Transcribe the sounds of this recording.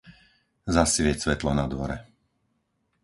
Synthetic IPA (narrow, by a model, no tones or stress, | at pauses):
zasʋɪɛsʋɛt̪lɔnad̪ʋɔɾɛ